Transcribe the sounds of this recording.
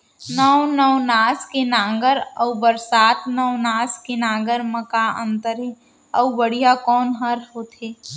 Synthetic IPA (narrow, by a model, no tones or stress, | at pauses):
nəwnəwnaːskenãːŋɡəɾɐwbəɾsaːt̪ʰnəwnaːskenãːɡəɾməkaə̰̃nt̪əɾɦɛ | əbəɽ̤ijakɔːnɦəɾɦoːt̪eː